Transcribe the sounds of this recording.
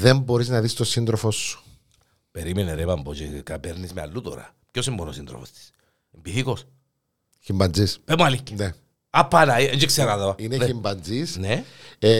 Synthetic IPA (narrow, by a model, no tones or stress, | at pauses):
ðemboɾiznɐðist̪osind̪ɾofosːu̥ | peɾimeneɾebɐmbocekɐpeɾnismeɐ̰lːut̪o̰ɾɐ̰pcosimːonosind̪ɾofo̰st̪i̥s | embiθikos | çimbɐnd͡zispemɐlikːe̥ne | apːanɐieɲd͡ʒekseɾaðɐvinençimbɐnzisne